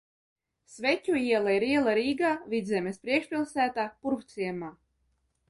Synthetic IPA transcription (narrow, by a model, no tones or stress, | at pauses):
svɛt̪ʲuiɛlˠaiɾiɛlˠaɾiːɡaːvʲid̪zʲɛmʲespɾiɛkʃpʲilˠsæːt̪aːpuɾkt̪sʲiɛmaː